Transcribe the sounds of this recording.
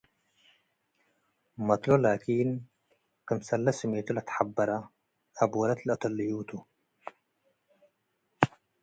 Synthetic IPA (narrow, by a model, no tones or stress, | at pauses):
mɐt̪lolaːkiːn | kɨmsɐlːɐsmet̪ulat̪ħabːɐɾa | ʔabwɐlɐt̪lʔɐt̪ɐlːijuːt̪ʰu